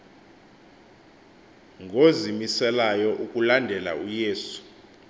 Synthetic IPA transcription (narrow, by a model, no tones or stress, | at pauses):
ŋɡʱozimisɛlajɔʔukʼulandʱɛla̰ujeːsu̥